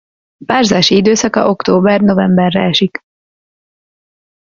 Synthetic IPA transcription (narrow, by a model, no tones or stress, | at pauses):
paːrzaːʃiid̪øːsɒkɒ̰ʔo̞kt̪oːbɛrno̞vɛmbɛrːɛ̰ɛʃik